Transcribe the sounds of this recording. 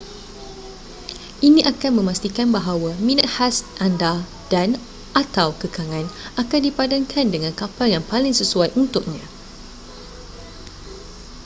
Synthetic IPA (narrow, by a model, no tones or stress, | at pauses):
ʔinĩʔakanmə̃mast̪ikanbaɦawamĩnat̪̚hasʔanda | d̥an | ʔat̪awkəkaŋãnʔakandipadaŋkʰandəŋãnkapaljaŋpalɪŋsəsuajʔunt̪ʊk̚ɲã